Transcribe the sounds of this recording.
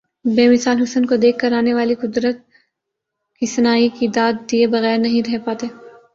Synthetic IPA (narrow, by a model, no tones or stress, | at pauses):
beːmɪsaːlɦʊsənkod̪eːkʰːəɾaːneʋaːliqʊd̪ɾət̪̚ | kisɐnaːikid̪aːd̪̚ːiebɐɣɛːɾnɐɦĩɾɛɦpaːt̪eː